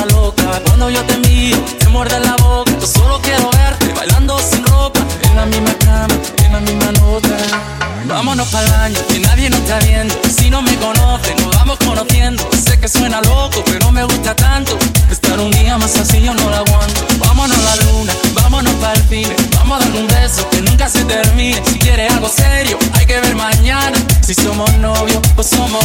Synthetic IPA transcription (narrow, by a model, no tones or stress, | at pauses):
lokakwand̪o̞ʝo̞t̪emiɾoemweɾðelaβokaosolokje̞ɾoβe̞ɾt̪ḛβa̰jland̪osinro̞paenlamizmakamaenlamizmanot̪a | ba̰monospalβaɲoinaðje̞nost̪aβje̞nd̪osinomeko̞noθenoβamosko̞noθje̞nd̪ose̞keswe̞nalokopeɾonome̞ɣust̪at̪ant̪oest̪aɾund̪iamasasionolaɣwant̪oβamonolalunabamonospalfineba̰moðaumbesokenũŋkase̞t̪eɾmĩnesikje̞ɾe̞alɣo̞se̞ɾjoajke̞βe̞ɾmãɲanasiso̞mosnoβjo̞posomo